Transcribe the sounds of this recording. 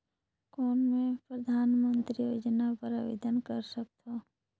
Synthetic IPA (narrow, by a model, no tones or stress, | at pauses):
kɔːnmẽpɾəd̪ʱaːnmə̃nt̪ɾijoːd͡ʒənapəɾaʋḛd̪ənkəɾsək̚t̪o